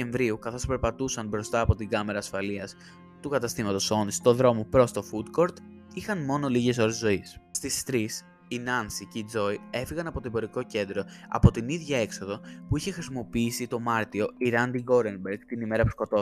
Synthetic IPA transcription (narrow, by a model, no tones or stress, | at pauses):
e̞ɱvɾiukɐθo̞spe̞ɾpɐt̪usɐnbɾo̞st̪ɐːpo̞t̪iɡɐme̞ɾɐːsfɐliɐs | t̪ukɐt̪ɐst̪imɐt̪o̞so̞nist̪o̞ðɾo̞mopɾo̞st̪o̞fut̪ko̞ɾt̪ | ixɐnmo̞no̞liʝe̞s̬o̞ɾe̞zzo̞isst̪ist̪ɾis | inɐnsiceid͡zo̞ie̞fiɣɐnɐpo̞t̪oebo̞ɾiko̞ce̞nd̪ɾo̞ɐ̰po̞t̪iniðʝɐe̞kso̞ðo̞puiçe̞xɾisimo̞piisit̪o̞mɐɾt̪io̞iɾɐnd̪iɡo̞ɾenbeɾɡt̪inime̞ɾɐpu̥sko̞t̪o